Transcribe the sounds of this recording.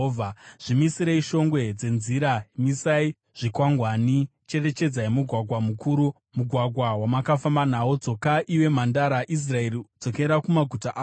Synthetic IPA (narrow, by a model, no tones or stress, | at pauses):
vʱaʐ̥imisiɾeiʃo̞ŋɡwe̞d͡ze̞nziɾaimisai | ʐ̥ikwaŋɡwaːnit͡ʃe̞re̞t͡ʃe̞d͡zaimuɡʱwaɡʱwamukuːɾu | muɡʱwaɡʱwawamakafambanaod͡zo̞kaʔiwe̞m̤andaɾaʔis̬rae̞ɾid͡zo̞ke̞ɾakumaɡʱutaʔː